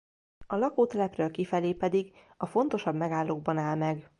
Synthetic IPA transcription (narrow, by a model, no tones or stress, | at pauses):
ɒlɒkoːt̪ɛlɛprøːlkifɛleːpɛd̪iɡ | ɒfo̞nt̪o̞ʃɒbmɛɡaːlːoːɡ̚bɒnaːlmɛɡ